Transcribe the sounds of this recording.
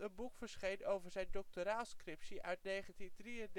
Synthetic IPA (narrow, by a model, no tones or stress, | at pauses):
ənbukfəɹsχejnowvəɹzɛjndɔk̚toɾaːskrɪpsiʔœɥtnejχəntidriənd